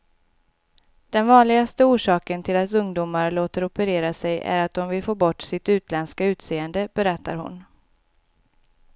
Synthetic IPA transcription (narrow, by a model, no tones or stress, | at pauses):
d̪̥ɛnvɑːnlɪɡast̪əuːʂɑːkənt̪ʰɪlat̪ɵŋd̪uːmaɾloːt̪əɾɔpəɾeːɾasɛjʔæ̰ɾat̪̚d̪ɔmvɪlfoːbɔʈːsɪt̪ʉ̟ːt̪lɛnskaʉ̟ːt̪seːənd̪əb̥ɛɾɛt̪ʰːaɾhʊ̰n